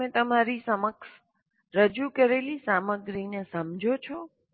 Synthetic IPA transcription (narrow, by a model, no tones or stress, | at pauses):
ẽt̪əmaɾisəməks | ɾəd͡ʒukəɾelisaməɡɾinesəmd͡ʒʱot͡ʃʰɔ